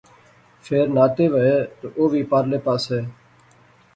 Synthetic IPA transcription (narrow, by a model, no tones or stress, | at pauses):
fʰeːɾnaːt̪eːʋəeːt̪oːʔoːʋiːpaːɾleːpaːsɦeː